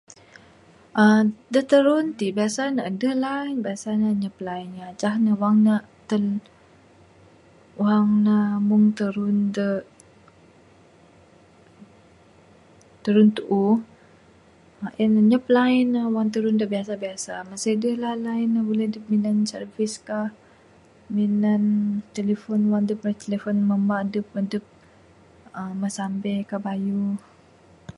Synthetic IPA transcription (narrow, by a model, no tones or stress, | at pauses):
ʔadət̪əɾunt̪ibiasanaʔdəlanbiasanaɲəplajnat͡ʃaɦnawaŋna | t̪əl | waŋnamuŋt̪əɾundə | t̪əɾunt̪uʔu | ʔɛnɲəplainawaŋt̪əɾundəbiasabiasamasedəlalainahbolɛhdəp̚minansərviskah | minant̪elefɔnwandəp̚lat̪elefɔnməmaʔdəp̚mədəp̚ | əməsambɛkabaju